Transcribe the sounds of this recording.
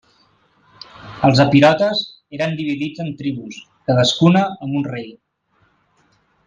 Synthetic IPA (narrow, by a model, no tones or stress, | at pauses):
əlˠzəpiɾɔt̪əz | eɾənd̪iβ̞iðid͡zənt̪ɾiβ̞us | kaðəskunəːmunrej